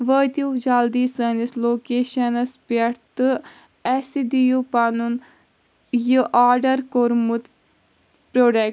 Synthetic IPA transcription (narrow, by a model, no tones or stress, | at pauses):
ʋət̪iwd͡ʒald̪iːsɐnisloːkeːʃɐnɐspɐʈt̪ɨ | ɛsid̪ijupanun | jɨʔaːɾɖɐɾkoɾmut̪ | pɾoɖe